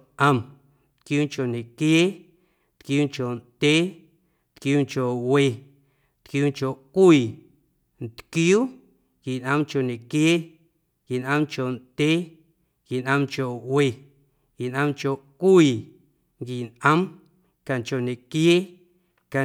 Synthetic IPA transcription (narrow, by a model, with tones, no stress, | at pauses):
ʔə̃˧m | t̪̚kjuː˦ŋt͡ʃo˨ne˨kjeː˦ | t̪kjuː˦ŋt͡ʃo˨nd̪̥ʲeː˦ | t̪kjuː˦ŋt͡ʃo˨we˧˨ | t̪kjuː˦ŋt͡ʃo˨ʔkʷiː˧˨ | nt̪kjuː˦ | ŋki˨nʔə̃˧mt͡ʃo˨ne˨kjeː˦ | ki˨nʔə̃˦mt͡ʃo˨nd̪ʲeː˦ | ŋki˨nʔə̃˧mt͡ʃo˨we˨ | ɡi˨nʔə̃˧mt͡ʃo˨ʔkʷiː˧˨ | ŋɡi˨nʔə̃˦m | ka˨nt͡ʃo˨nẽ˨kje˦ | ka˨